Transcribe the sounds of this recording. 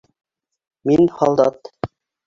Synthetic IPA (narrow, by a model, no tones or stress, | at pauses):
minhɑlˠd̪ɑt̪